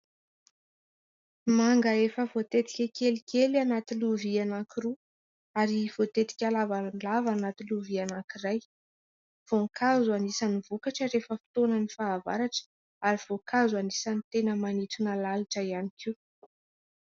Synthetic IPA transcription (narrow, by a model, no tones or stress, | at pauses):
maŋɡəefəvot̪et̪i̥kʲakʲelikʲʰelianat̪iluvianakiɾu | aɾiv̥ot̪et̪i̥kʲalavalavanat̪iluvianakiraj | v̥oŋkʰazuanisanivukaʈ͡ʂəɾefəfi̥t̪onənifaːva̰ɾaʈ͡ʂə̥ | aɾiv̥okʰazuanisanit̪enəmanit̪unalaliʈ͡ʂəianikʰi